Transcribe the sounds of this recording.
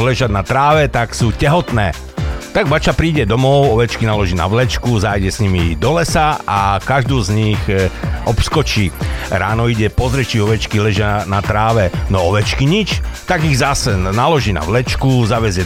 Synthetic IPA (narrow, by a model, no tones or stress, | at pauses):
lɛʒad̪nat̪ɾaːʋɛt̪aksuːcɛɦɔt̪nɛː | t̪aɡbat͡ʃapɾiːɟɛd̪ɔmɔʊɔʋɛt͡ʃkinalɔʒiːna̰ʋlɛt͡ʃkuzaːjɟɛsɲimid̪ɔlɛsaakaʒd̪uːzɲixʔɔpskɔt͡ʃiːɾaːnɔiɟɛpɔzɾɛt͡ʃiɔʋɛt͡ʃkilɛʒɪanat̪ɾaːʋɛnɔɔʋɛt͡ʃkiɲit͡ʃt̪aɡiɣzasɛnalɔʒiːna̰ʋlɛt͡ʃkuzaʋɛzɪjɛ